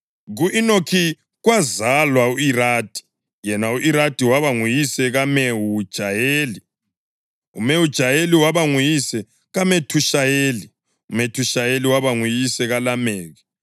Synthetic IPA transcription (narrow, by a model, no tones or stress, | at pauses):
ɣuʔinokʰi | ɣwazalwauiɾaːd̥ʱi̥ | jɛnauʔiɾad̥ʱʼiwaβaŋujisɛɣameud̥ʒ̥ʱajeːli | ṵmewud̥ʒ̥ʱajeliwaβaŋujisɛ | ɣametʰuʃajeːli | umetʰuʃajeliwaβaŋujisɛɣalameːɣɛ